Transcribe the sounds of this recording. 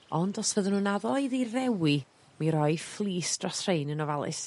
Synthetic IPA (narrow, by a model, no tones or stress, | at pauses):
ɔndɔsvəðənuːnaðɔiðirɛwi | miɾɔɨjflˠiːsdrɔsrejnənɔvalˠɨ̰s